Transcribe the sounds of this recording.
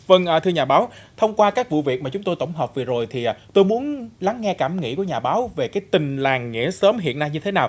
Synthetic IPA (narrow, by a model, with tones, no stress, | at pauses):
və˧ŋʔəː˨˩t̪ʰɨ˧ɲaː˨˩ɓaː˨˦wt̪ʰə˧wŋ͡mkwaː˧kaː˦˥k̚vṵ˧˨vi˨˩ək̚ma˨˩t͡ɕʊ˨˦ŋ͡mt̪o˧jt̪ə˧˩wŋ͡mɦɔː˨˩k͡p̚vi˨˩zo˨˩jt̪ʰi˨˩ʔaː˨˩t̪o˧jmu˨˦ənla˨˦ŋːɛ˧kaː˧˩mŋḭ˧˥ku˧˩əɲaː˨˩ɓaː˨˦wve˨˩kaː˨˦jt̪ï˨˩ŋ̟laː˨˩ŋːḭ˧˥əsəː˨˦mɦḭ˧˨ənːa˧jɲɨ˧t̪ʰe˨˦naː˨˩w